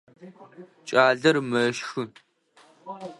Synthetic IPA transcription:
t͡ʃʼaːɮɐrmɐʃxɨ

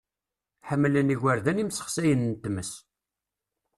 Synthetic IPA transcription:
ħəmːləniʝʷæɾðænimsə̥χsæjənnt̪ːməs

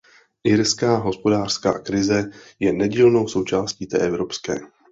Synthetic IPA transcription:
ʔɪɾskaːɦo̞spo̞daːr̝̥ska̰ːkɾɪzɛjɛnɛɟiːlno̞wso̞wt͡ʃaːsciːt̪ɛ̰ːʔɛvɾo̞pskɛ̰ː

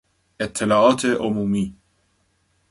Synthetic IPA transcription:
et̪ʰːɪlɑːɑːt̪ʰeʔomuːmiː

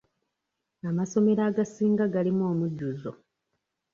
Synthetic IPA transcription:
amaso̞me̞ɾaːɡasiːŋɡaɡalimoːmuɟːuzo̰

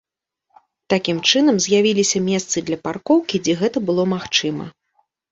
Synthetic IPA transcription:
t̪akʲimt͡ʂɨnɐmzʲjavʲilʲisʲɐmʲɛst̪sɨd̪lʲɐparkɔwkʲid͡zʲɛɣɛt̪ɐbɨlˠɔmaxt͡ʂɨmɐ̰

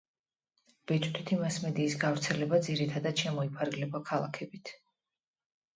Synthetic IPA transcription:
b̥ɛt͡ʃʼt̪ʰi̥t̪ʰimasmɛd̪iːsɡavɾt̪sʰɛlɛbad̪ziɾit̪ʰad̪ad̪ʃɛmɔipʰaɾɡlɛbakʰalˠa̰kʰɛbit̪ʰ

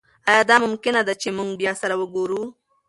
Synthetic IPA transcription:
ajɑd̪ɑmʊmkɪnad̪at͡ʃemuŋɡbjɑsaɾawəɡoɾu

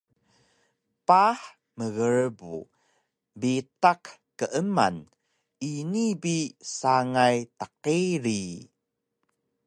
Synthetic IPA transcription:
paħ | məɣəɻbṵ | bitaqkəʔəma̰n | inibisaŋajtaqiɾi

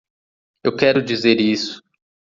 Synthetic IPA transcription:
ewkɛɾʊd͡ʒizeɾisʊ̥

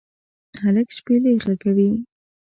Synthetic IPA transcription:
haləkʃpeleɣaɡawi

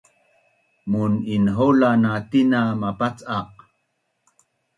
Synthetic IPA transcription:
muninɦolanat̪inamapat͡saq̚

